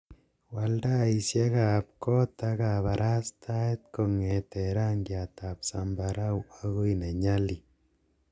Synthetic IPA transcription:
walda˦i˨sjɛ˦kap̚kɔ˦ta˦ka˨βa˨ɾʔa˦stʰa˦et̪̚kɔ˨ŋɛtɛɾa˦ŋɡjata˨psa˨mbaɾa˦wa˦ɣo˦ine˨ɲali

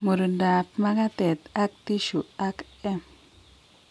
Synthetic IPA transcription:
mu˨ɾnda˨p̚ma˦ɡa˦t̪e˨t̪a˦k̚ti˦ʃu˨a˦k | ɛ˦m

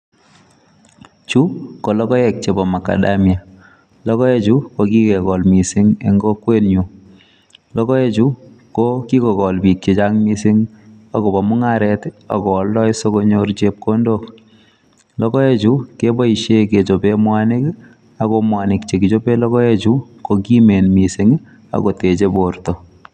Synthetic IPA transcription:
t͡ʃu˦ko˨lɔ˦kɔ˦jɛ˨k̚t͡ʃe˨bɔ˨ma˨ka̰˨damja˨ | lɔ˦kɔ˦je˦t͡ʃu˦ko˦ki˦kɛ˨kɔ˨lmi˨sɪ˦ŋḛ˦ŋɡɔ˦kwe˦nɲu˨ | lɔ˦kɔ˦je˦t͡ʃu˦ | ko˦ki˦kɔ˨kɔ˨lbi˨k̚t͡ʃe˨t͡ʃa˦ŋmi˦sɪ˦ŋ | a˨ko˨ba˨mʊ˦ŋa˦ɾɛta̰˨kɔː˨ldɔ˦jso˦ko˦ɲo˦ɾt͡ʃe˦p̚ko˦ndo˦k | lɔ˦kɔ˦e˦t͡ʃuke˦bɔ˦i˨ʃe˦ke˨t͡ʃo˨pe˦mwanɪ˦k | a˨komwa˨nɪ˨kt͡ʃe˨ɡi˨t͡ʃo˦pe˦lɔ˦kɔ˦e˦t͡ʃu˦ko˨ki˦me˨nmi˨sɪŋ | a̰˨ko˨te˨t͡ʃe˦boɾto˨

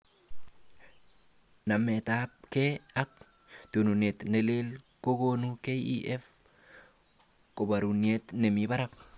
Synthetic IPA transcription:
na˨mːe˨t̪ap̚ke˦a˦k̚ | t̪u˨nu˨ne˨t̪ne˨le˦l | ko˦ɡonuke˦ḭʔɛ˦f | ko˨ba˨ɾu˨nie˦t̪ne˨miba˦ɾa˦p̚

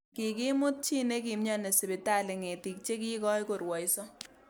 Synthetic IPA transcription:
kɪ˨ki˦mʊ˦t̚t͡ʃi˦ne˦ki˨mɲɔ˦ne˨sɪ˨bɪ˨ta˦˨lɪ˨ŋe˨ti˨k̚t͡ʃe˦k̬i˦kɔ˦jko˨rwɔ˨jsɔ˦

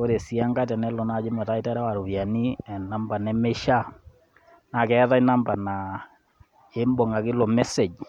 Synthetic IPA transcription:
o˦ɾe˨si˦a˦ŋɡa˦t̬ɛ˨nɛ˦lɔ˨na˨˦d͡ʒɪ˦mɛ˨ta˦i˦ta˦ɾɛ˦wa˨ɾu˨βja˨ni˦ɛ˨na˦mba˨nɛ˦me˦ʃa˦ | na˨kɛ˦ða˦jna˦mba˨na˨ | e˦mbɔ˨ŋa˨kɪ˦lɔ˨mɛ˦se˨d͡ʒ

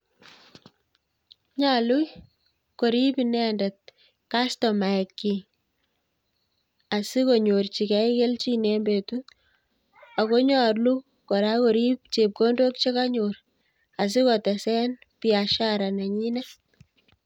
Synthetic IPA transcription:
ɲa˨lu˦j | ko˨ɾi˦pinɛ˦nda˨t̚ | ka˦stɔ˨ma˨ɛkːi˨ŋ | a˨si˦ko˨ɲo˨rt͡ʃi˨kɛ˦ike˦lt͡ʃi˦ne˨mbe˨tu˦ | a˨ko˦ɲɔrlu˦ | kɔ˨ɾa˦ko˨ɾi˦p̚t͡ʃe˨p̚ko˦ndo˦k̚t͡ʃe˦ka˦ɲoɾ | a˨s̬i˦kɔtɛ˨sɛ˦n | piaʃaɾa˨na˨ɲi˦na˦

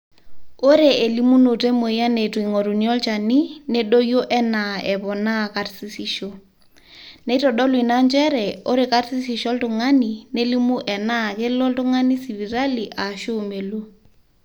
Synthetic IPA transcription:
o˦ɾe˨e˨li˦mu˦no˨te˦mo˨i˦a˦ne˨twi˨ŋɔ˨ɾu˨niɔ˦lt͡ʃa˨ni˦ne˦ɗo˦jo˦ʔɛ˦na˨ɛ˨βɔ˨na˦˨ka˨tsi˦si˦ʃo˦ | ne˨˦tɔ˨ɗɔ˦lwi˨na˦nd͡ʒɛ˦ɾɛ˨o˦ɾe˨ka˦tsi˦si˨ʃɔ˦ltʊ˨ŋa˦ni˨ne˦li˦mu˦ʔɛ˨na˦˨kɪ˦lɔ˦ltʊ˦ŋa˦ni˦si˨βi˨ɾa˦li˨ʔa˨ʃo˦me˨lo˦

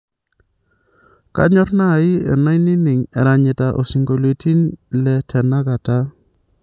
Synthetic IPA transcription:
ka̰˦ɲɔ˦tnaː˦˨ɪ˦ɛ̰˨na˦jnɪ˦nɪ˨ŋɛ˨ɾa˨ɲɪ˨ta˨ʔo̰˨si˨ŋɡo˨lwe˨ti˦nlɛ˨tʰɛ˨na˦ka˨ta˦

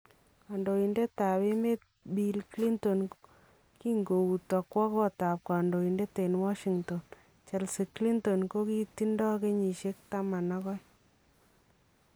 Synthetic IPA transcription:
a˨ndo˨i˨nde˦ta˨βe˦me˦t̚ | bi˦lkli˦nto˨n | ki˦ŋɡo˨u˨tɔ˨kwɔ˦kɔ˦ta˨p̚ka˨ndo˨i˨nde˦te˨nwa˦ʃi˨ŋtɔ˨n | t͡ʃɛ˨lsi˨kli˦nto˨nko˦ki˦ti˦ndɔ˦ke˦ɲi˨ʃe˦k̚ta˦ma˨na˦kɔ˦j

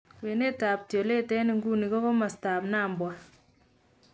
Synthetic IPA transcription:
kwe˨ne˦ta˨p̚tjɔ˨le˦tɛ˦ni˦ŋɡu˦ni˨kɔ˦kɔ˦ma˨sta˨pnaː˦˨mbwa˦

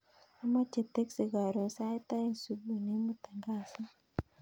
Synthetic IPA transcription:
a˦ma˦t͡ʃe˨t̪e˦kse˨ɡa˨ɾo˨nsa˦e˦t̪a˦e˨nsu˨bu˨ne˦mu˨t̪a˨ŋɡa˦sa˦

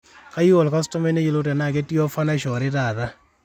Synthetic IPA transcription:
ka˦jɔ˨lka˦stɔ˦me˦ne˦ji˨lo˦tɛ˨na˨k̬e˦ti˦ɔ˦fa˦na˦ʃɔ˨ɾɪ˦taː˨ða˦

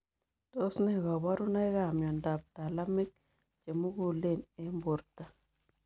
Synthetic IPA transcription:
to˦sne˦ɡa˨ba˦ɾu˦na˦jɣa˦˨mjɔ˨nda˨p̚ta˨la˦mi˦k̚ | t͡ʃe˨mu˦ɡu˨le˦˨ne˦mbo˨ɾta˨

